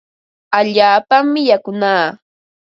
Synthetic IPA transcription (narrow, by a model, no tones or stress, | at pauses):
aʎaːpamːɪjakʊnaː